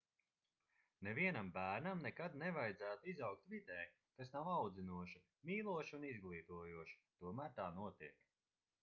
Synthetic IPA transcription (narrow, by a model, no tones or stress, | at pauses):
neviɛnambæːɾnamnɛkad̪nɛvajd̪zæːt̪uizawk̚t̪vid̪ɛːj | kasnawawd̪zinuɔʃi | miːlˠuɔʃiunizɡlˠiːt̪uɔjuɔʃi̥t̪uɔmæːɾt̪aːnuɔt̪iɛk